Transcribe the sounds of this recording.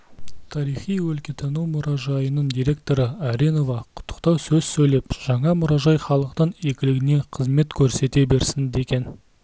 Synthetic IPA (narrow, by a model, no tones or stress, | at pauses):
t̪ʰɑɾijχijwɵlkʲet̪ʰɑnuwmʊɾɑʒɑjənəɴd̪ijɾʲe̞k̚t̪o̞ɾəaɾino̞vɑqʰʊ̥t̪ʰːə̥qt̪ɑwsɵzsɵjle̞pʒ̥ɑɴɑmʊɾɑʒɑjχɑlˠəqt̪əne̞kʲɪlɪɡʲɪne̞qʰəzme̞t̪kʲʰɵɾse̞t̪e̞be̞ɾsɪnd̪e̞kʲe̞n